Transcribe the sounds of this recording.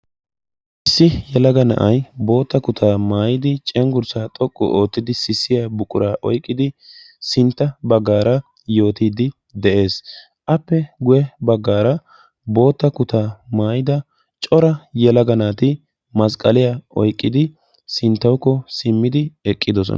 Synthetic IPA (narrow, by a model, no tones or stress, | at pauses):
ʔɪsːɪjɛlɐɡɐnɐ̰ʔɐjbo̞ːt̪ːɐkʊt̪ʰaːmaːjɪd̪ɪt͡ʃʼɛŋɡʊɾsaːt̪ʼɔkʼːɔ̰ʔo̞ːt̪ːɪd̪ɪsɪsːɪjabʊkʼʊɾaːʔɔ̰jkʼːɪd̪ɪ | sɪnt̪ːɐbɐɡːaːɾɐ | jo̞ːt̪iːd̪ɪ | d̪ɛʔe̞ːs | ʔɐpːɛɡʊjɛbɐɡːaːɾɐ | bo̞ːt̪ːɐkʊt̪aːmaːjɪd̪ɐ | t͡ʃʼɔɾɐjɛlɐɡɐnaːt̪ɪ | mɐskʼɐlɪjaɔjkʼːɪd̪ɪ | sɪnt̪ːɐwkːɔsɪmːɪd̪ɪɛkʼːɪd̪ɔs̬ɔ̰n